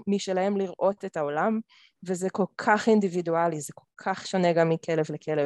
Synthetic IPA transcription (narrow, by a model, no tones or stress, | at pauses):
miʃelahemliʁʔo̞tetaolam | vezeko̞lkʰaχindividualizeko̞lkʰaχʃoneɡamːikʰelevlekʰele